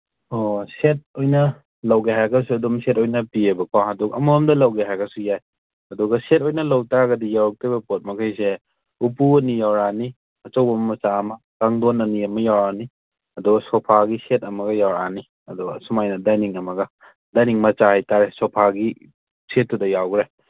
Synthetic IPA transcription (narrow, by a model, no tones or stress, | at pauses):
oset̚ojnɐ | lɐwɡeɦajɡɐsuɐdumsetojnɐpiebɐkawɦɐdukɐ̰mumdɐlɐwɡeɦajɡɐsujaj | hɐduɡɐset̚ojnɐlɐwtaɡɐdijawɾɐk̚tibɐpot̚mɐkʰajse | upuɐnijawɾani | ɐt͡ʃɐwbɐmɐmɐt͡ʃaːmɐ | kaŋdonɐniɐmɐjawɾani | ɐdɔɡɐsɔpʰaɡisetɐmɐɡɐjawɾani | ɐduɡsumajnɐdajniŋɐmɐɡɐ | dajniŋmɐt͡ʃahajtaɾesɔpʰaɡi | set̚ːudɐjawɡɾaj